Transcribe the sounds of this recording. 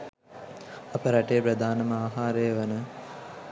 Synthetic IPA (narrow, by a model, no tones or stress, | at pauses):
apəɾaʈejəpɾəd̪ʱaːnɐməaːɦaːɾəjəʋənə